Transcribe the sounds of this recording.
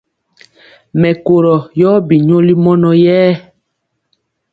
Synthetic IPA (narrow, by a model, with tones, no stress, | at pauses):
mɛ˨ko˨ɾɔ˨jɔː˦bi˨ɲo˦li˦mɔ˦nɔ˨jɛː˦